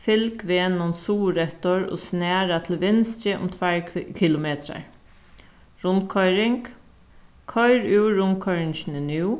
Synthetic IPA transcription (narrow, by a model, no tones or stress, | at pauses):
fɪlkʋeːnʊnsuːɾɛht̪ɔɹo̰ːsnæːɾat̪ʰɪlʋɪnst͡ɕəʔʊ̰mt̪ʰʋæɹkʰɪlʊmeːt̪ɾa̰ɹ | ɹʊnkʰɔʏɾɪŋk | kʰɔjɹʉwɾʊnkʰɔʏɹɪnʃnənuː